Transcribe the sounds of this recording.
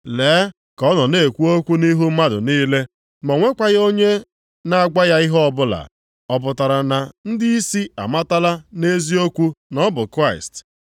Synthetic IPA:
leː˨˦ | kɔ˦nɔ˨ne˦˨kʷu˦o˦kʷu˦ni˦ɦu˦m̩˦ma˦dʊ̰˨niː˦le˦ | mɔ˨ŋʷe˦kʷa˦ɣo˦ɲe˦ | na˨a˨ɡa˦ja˦i˦ɦɔ˦ɔ˦bʊ˦la̰˨ | ɔ˨p̬ʊ˨ta˨ɾa˨na˨n̩˦dɪ˦i˦si˦a̰˨ma˦ta˦la˦ne˦zi˦o˦kʷu˦nɔ˦bʊ˨kɾa˦˨ɪ̰˨st

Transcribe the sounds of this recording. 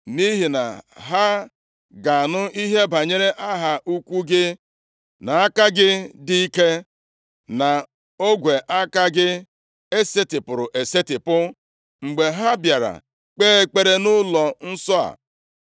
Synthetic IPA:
ni˦ɦi˨na̰˨ɦa˦ | ɡa˨nʊ˦i˦ɦe˦ba˨ɲe˦ɾe˦ʔa˦ɦa˨ʔu˦kʷu˦ɡɪ˦ | na˨a˦ka˦ɡɪ˦dɪ˦i˦ke˦ | na˨ | o˦ɡʷe˨ʔa˦ka˦ɡɪ˦ | e˦se˦tɪ˨pʊ˨ɾʊ˨ʔe˨se˦tɪ˨pʊ˦ | ŋ͡m̩˨ɡ͡be˨ɦa˦bja˨ɾa̰˨ | k͡peː˦e˦k͡pe˦ɾe˦nʊ˦lɔ˨n̩˦sɔ˦a̰˨

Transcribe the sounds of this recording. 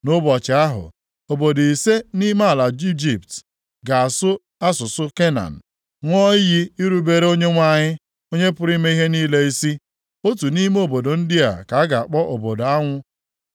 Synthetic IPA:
nʊ˦bɔ˨t͡ʃɪ˨a˦ɦʊ̰˨ | o˨bo˨di˨se˦ni˦ma˦a˨la˨d͡ʒi˦d͡ʒi˨pt | ɡa˨a˨sʊ˦ | a˦sʊ˨sʊ˦ke˦na̰˨n̩˨ | ŋʷɔ˦ji˦i˦ɾu˨be˨ɾe˦o˦ɲe˦ŋʷa˦˨ɲɪ˦ | o˦ɲe˦pʊ˦ɾi˦me˦i˦ɦe˦niː˦le˦i˦si˦ | o˦tu˨ni˦me˦o˨bo˨do˨n̩˦di˦a̰˨ka˨˦a˦ɡa˨a˨k͡pɔ˦ʔo˨bo˨da˦ŋʷʊ˦

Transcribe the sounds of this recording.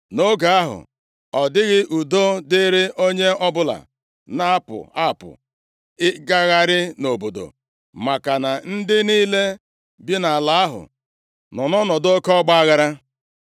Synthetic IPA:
no˦ɡa˨a˦ɦʊ̰˨ | ɔ˨dɪ˦ɣɪ˦ʔu˨do˦dɪ˦ɾɪ˦ʔo˦ɲe˦ɔ˦bʊ˦la̰˨ | na˦a˦pʊ̰˨a˦˨pʊ̰˨ | ɪ˦ɡa˦ɣa˦ɾɪ˦no˨bo˨do̰˨ | ma˨ka˨na˨n̩˦dɪ˦niː˦le˦ | bi˦na˨a˨la˨a˦ɦʊ̰˨ | nɔ˨nɔ˦nɔ˨do˦kɔ˦ɡ͡ba˦a˦ɣa˦ɾa˦

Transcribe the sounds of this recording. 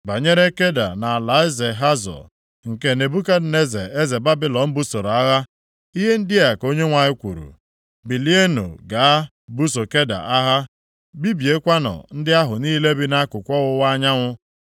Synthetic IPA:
ba˨ɲe˦ɾe˦ke˦da̰˨na˨a˨la˨˦ɪ˦ze˨ɦa˦zɔ̰˨ | ŋ̩˨ke˨˦ne˨bu˦ka˦ne˦zḛ˨e˦ze˨ba˦bɪ˦lɔ˨m̩˦bu˦so˨ɾa˦ɣa˦ | i˦ɦe˦n̩˦dɪ˦a˨ko˦ɲe˦ŋʷa˨ɲɪ˦kʷṵ˨ɾṵ˨ | bi˨li˦e˦no̰˨ɡa˨a˦ | bu˦s̬o˨ke˦da̰˨ʔa˦ɦa˦ | bi˦bje˦kʷa˦nɔ̰˨n̩˦dɪ˦a˦ɦʊ˨niː˦le˦bi˦na˦kʊ˨kʷɔ˦ɣʊ˦wa˦ɲa˦ŋʷʊ˦

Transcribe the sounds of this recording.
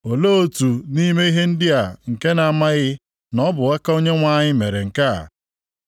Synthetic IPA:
o˨lo˦o˦tu˨ni˦me˦i˦ɦe˦n̩˦dɪ˦a˨ŋ̩˨ke˦na˨ma˦ɣɪ˦ | nɔ˦bʊ˨ɣa˦ka˦o˦ɲe˦ŋʷa˦ɲɪ˦me˨ɾe˨ŋ̩˨ka̰˦˨

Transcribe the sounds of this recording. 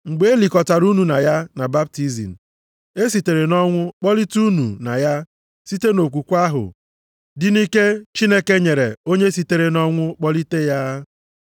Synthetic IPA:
ŋ͡m̩˨ɡ͡be˨˦e˦li˨kɔ˨ta˨ɾu˦nu˨na˨ja˦na˨ba˦b̚ti˦zḭ˨n̩˨ | e˦s̬i˨te˨ɾe˨nɔ˦ŋʷʊ˦k͡pɔ˦li˦tu˦nu˨na̰˨ja˦ | si˦te˦no˨kʷu˨kʷa˦ɦʊ̰˨ | dɪ˦ni˦ke˦t͡ʃi˦ne˦ke˦ɲe˨ɾḛ˨o˦ɲe˦si˨te˨ɾe˨nɔ˦ŋʷʊ˦k͡pɔ˦li˦te˦ja˦

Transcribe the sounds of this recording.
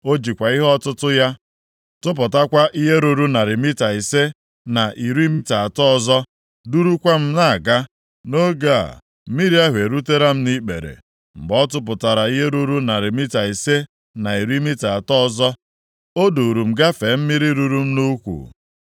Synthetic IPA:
o˦d͡ʒi˨kʷa˨i˦ɦɔ˦tʊ˦tʊ˦ja˦ | tʊ˦p̬ʊ˨ta˦kʷa˦ʔi˦ɦe˦ɾu˨ɾu˦na˨ɾɪ˨mi˦ta˨i˨se˦ | na˨ʔi˨ɾi˦mi˦ta˨a˨tɔ˦˨zɔ˦ | du˦ɾu˦kʷa˦m̩˦na˦˨ɡa˦ | no˦ɡa˦a̰˨ | m̩˦mi˦ɾi˦a˦ɦʷe˨ɾu˦te˦ɾa˦m̩˦ni˦k͡pḛ˨ɾḛ˨ | m̩˨bɔ˦t̬ʊ˦p̬ʊ˨ta˨ɾa˨i˦ɦe˦ɾu˦ɾu˦na˨ɾɪ˨mi˦ta˨i˨se˦ | na˨i˨ɾi˦mi˦ta˨a˨tɔ˦zɔ˦ | o˦du˨ɾu˨m̩˨ɡa˦fe˨˦m̩˦mi˦ɾi˦ɾu˦ɾu˦m̩˦nu˦kʷṵ˨

